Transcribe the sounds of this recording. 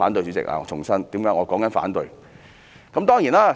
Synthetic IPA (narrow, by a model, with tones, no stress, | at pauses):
aː˨˥nt̪ɵ˧jt͡sy˨˥t͡sɪ̰˨k̚ʔa̰ː˧˨˧t͡ʃʰʊ˨˩ŋsɐ˥nt̪iː˨˥mjœː˨˥ŋɔː˨˧kɔː˨˥ŋkɐ˨˥nfa̰ː˨˥nt̪ɵ˧ɥ | kɐ˦˥mt̪ɔː˥ŋjiː˨˩naː˥